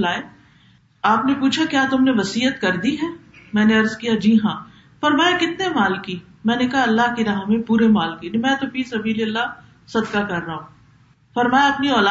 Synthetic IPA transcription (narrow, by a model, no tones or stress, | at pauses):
laːe | aːpnepuːt͡ʃʰakjaːt̪ʊmneʋɐsiːət̪kɐɾd̪iɦɛːmɛ̃ːneɐɾzkijad͡ʒiːɦãː | fɐɾmaːjakɪt̪nemaːlki | mɛ̃ːnekɐɦaɐlːaɦkiɾaːɦmẽpuːɾemaːlkinimɛ̃ːt̪opisɐbʱiːleɐlːa | sɐd̪kakɐɾːaːɦũː | fɐɾmaːjaɐpniɔːlaː